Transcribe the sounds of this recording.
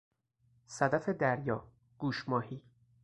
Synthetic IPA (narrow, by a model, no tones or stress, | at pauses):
sæd̪æfed̪æɾjɒː | ɡ̥uːʃmɒːhiː